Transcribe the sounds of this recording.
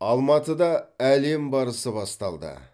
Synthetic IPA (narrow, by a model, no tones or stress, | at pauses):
ɑlˠmɑt̪əd̪ɑæle̞mbɑɾəsəbɑst̪ɑlˠd̪ə̰